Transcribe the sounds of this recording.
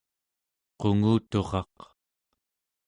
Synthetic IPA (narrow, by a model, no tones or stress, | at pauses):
qo̞ŋuːt̪o̞ʁɑq